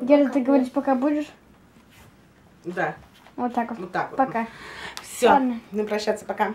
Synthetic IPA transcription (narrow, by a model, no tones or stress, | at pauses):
jʲeɾlʲt̪ɨɡəvɐɾʲitʲpɐkabudʲɪʂ | d̪a | vot̪ːakoot̪ːakpɐkafsʲoad̪nənɨpɾɐɕːat̪səpɐka